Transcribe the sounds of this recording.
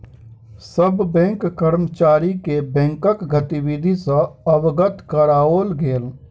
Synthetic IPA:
səbbɛ̃ːŋkːəɾmət͡ʃaːɾikebɛ̃ːŋkəkɡət̪iwid̪ʱisɐ̃əwɡət̪kəɾaːoːlɡeːl

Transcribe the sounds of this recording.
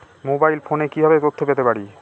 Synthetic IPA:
mobajlfonekibʱabet̪ot̪ʰːopet̪epaɽi

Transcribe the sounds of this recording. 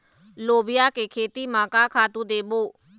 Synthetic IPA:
loːbɪjaːkeːkʰeːt̪iːmãːkaːkʰaːt̪ũːd̪eːboː

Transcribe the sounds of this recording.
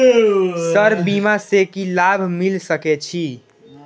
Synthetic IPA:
səɾbimasekilabʱmilsəkɛt͡ʃʰi

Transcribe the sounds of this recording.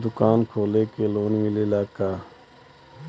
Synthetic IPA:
d̪ʊkaːnkʰoːleːkeːloːnmɪleːlaːkaː

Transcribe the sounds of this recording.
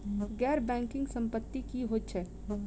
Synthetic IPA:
ɡɛːɾbɛ̃ːŋkɪ̃ŋɡsə̃mpət̪ːikiɦott͡ʃʰɛ

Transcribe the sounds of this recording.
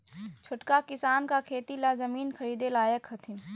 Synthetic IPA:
t͡ʃʰoʈkakɪsaːnkakʰeːt̪ilazɐmiːnkʰɐɾiːd̪elaːjəkɦɐt̪ʰɪn

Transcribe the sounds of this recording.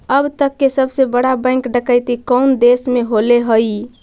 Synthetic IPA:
əbt̪əkːesəbsebəɽabə̃ɪŋkɖəkəjt̪ikəwnd̪esmeɦoleɦəj

